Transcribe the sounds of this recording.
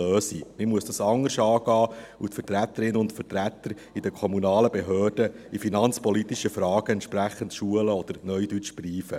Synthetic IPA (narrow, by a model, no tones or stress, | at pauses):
øːsimɪmuəsd̥ɑsɑŋːəɾʃɑːɡ̥ɑːutfətɾæt̪ːəɾɪnəʊntfərtɾæt̪ːəɾ | idəkʰɔmunɑːləbeɦøːrd̥əifinɑnt͡spɔlit̪iʃəfɾɑːɡ̥əɛnt̪ʃpɾæχːəntʃuələɔd̥̪əɾnœʏdyt͡ʃb̥riːfə